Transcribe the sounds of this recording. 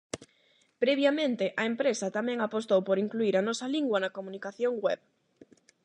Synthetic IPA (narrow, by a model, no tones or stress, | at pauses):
pɾeβjamẽnt̪eʔɐempɾesɐt̪amɛ̃ŋapost̪owpoɾiŋkluiɾɐnɔsɐliŋɡwanɐkomũnikaθjoŋɡwɛβ